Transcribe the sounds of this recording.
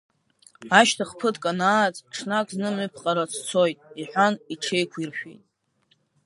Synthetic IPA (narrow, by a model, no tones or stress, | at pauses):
aʃtʰaχpʰɨtkʼanaːt͡sʼʈ͡ʂʰnakʼznɨmɨpʰqʼaɾat͡sʰt͡sʰo̞jtʼiħʷᶣaniʈ͡ʂʰejkʷʰirħʷᶣḛjtʼ